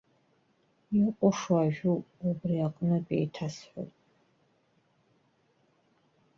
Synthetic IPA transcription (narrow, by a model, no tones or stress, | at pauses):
jiqʷʼɔʂwaʒᶣuubriaqʼnɨpʼḛjtʰasħʷo̰wtʼ